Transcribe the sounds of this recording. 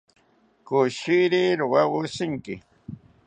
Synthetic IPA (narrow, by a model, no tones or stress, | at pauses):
kʊʃiɾɪɾʊwawʊsɪŋkɪ̰